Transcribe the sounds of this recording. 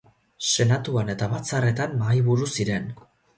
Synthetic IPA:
se̞nat̪uane̞t̪aβat͡sare̞t̪amːajβuɾusiɾe̞n

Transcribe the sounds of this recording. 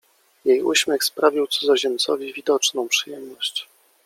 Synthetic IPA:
jejuɕmʲɛxspɾavʲiwt̪suzɔʑɛnt̪sɔvʲivʲid̪ɔt͡ʂnɔ̃w̃pʂɘjɛmnɔɕt͡ɕ

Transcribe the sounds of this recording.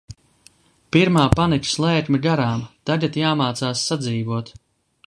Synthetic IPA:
piɾmaːpanikʲslˠɛːkʲmʲiɡaɾaːmt̪aɡat̪jaːmaːt̪saːsːad̪ziːvuɔt̪

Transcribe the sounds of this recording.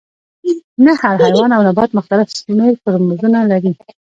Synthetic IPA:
nahaɾɦajwɑnawnabɑt̪mʊxt̪alɪfsmeɾpəɾmzunalaɾi

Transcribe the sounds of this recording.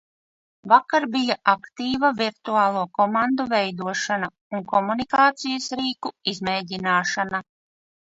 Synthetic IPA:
vakaɾbijaʔakt̪iːvaviɾt̪uaːlˠuɔkɔmand̪uvɛjd̪uɔʃana | uŋkɔmunikaːt̪sijɐsɾiːkuizmɛːɟinaːʃana

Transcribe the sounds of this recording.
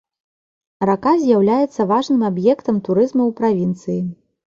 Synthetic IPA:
rakazʲjawlʲajɛt̪sːɐvaʐnɨmabjɛkt̪ɐmt̪uɾɨzmɐwpɾavʲint̪sɨji

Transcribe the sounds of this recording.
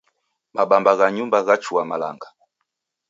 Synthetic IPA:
maɓambaɣaɲumbaɣat͡ʃuamala̰ŋɡa

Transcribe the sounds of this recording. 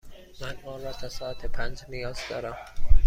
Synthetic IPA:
mænɒːrɒːt̪ʰɒsɒːæt̪ʰepʰænd͡ʒnijɒːzd̪ɒ̰ːɾæm

